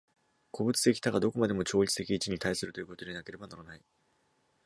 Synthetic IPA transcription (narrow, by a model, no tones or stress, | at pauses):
kʰo̞bɯ̟t͡sɨ̥t̪e̞kʲi̥t̪aɡad̪o̞ko̞mad̪e̞mo̞t͡ɕo̞ːɾʲit͡sɨ̥t̪e̞kʲiːt͡ɕiɲ̟it̪aisɨɾɯ̟t̪o̞jɯko̞t̪o̞d̪e̞nake̞ɾe̞banaɾanai